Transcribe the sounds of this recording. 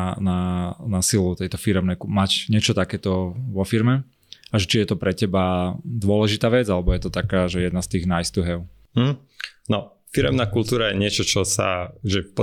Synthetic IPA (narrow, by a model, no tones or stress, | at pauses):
nanasilut̪ɛjt̪ɔfiɾɛmnɛjkumacɲɪɛt͡ʃɔt̪akɛːt̪ɔʋɔfiɾmɛ | aʒɛt͡ʃijɛt̪ɔpɾɛcɛbad̪ʊɔlɛʒit̪aːʋɛd͡zalɛbɔjɛt̪ɔt̪akaːʒɛjɛd̪nast̪iːɣnajst̪uɦɛʊ | m̩ɦm̩ | nɔ | fiɾɛmnaːkult̪uːɾajɛɲɪɛt͡ʃɔt͡ʃɔsa̰ʒɛpɔ